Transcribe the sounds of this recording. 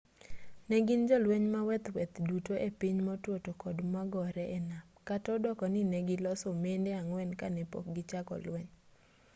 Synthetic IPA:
nɛɡind͡ʒɔlweɲmawɛt̪wɛt̪dutoʔepiɲmɔtwotokodmaɡɔɾɛʔenapkatɔdɔkɔninɛɡɪlɔsomendeaŋwɛnkanɛpo̰k̚ɡɪt͡ʃakɔ̰lwɛɲ

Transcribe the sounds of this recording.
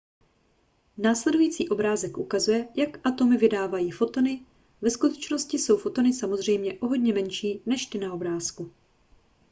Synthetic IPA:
naːslɛdujiːt͡siːʔo̞bɾaːzɛkʔukazujɛjakʔat̪o̞mɪvɪdaːvajiːfo̞t̪o̞nɪ | vɛskut̪ɛt͡ʃno̞scɪso̞wfo̞t̪o̞nɪsamo̞zr̝ɛjmɲɛʔo̞ɦo̞dɲɛmɛnʃiːnɛʃt̪ɪnao̞bɾaːsku

